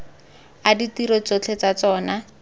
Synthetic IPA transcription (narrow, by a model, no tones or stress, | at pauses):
aditiɾɔt͡sot͡ɬʰet͡sat͡sɔːna